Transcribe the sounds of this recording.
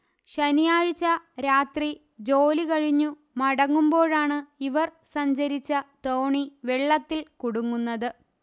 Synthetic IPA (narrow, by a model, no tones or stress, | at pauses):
ɕɐnijaːɻt͡ɕːɐɾaːt̪ri | d͡ʑo̞ːlikɐɻiɲːu | mɐɽɐŋːumbo̞ːɻaːɳɨiʋɐrsɐɲd͡ʑɐɾit͡ɕːɐt̪o̞ːɳiʋeɭːɐt̪ːilkuɽuŋːunːɐðɨ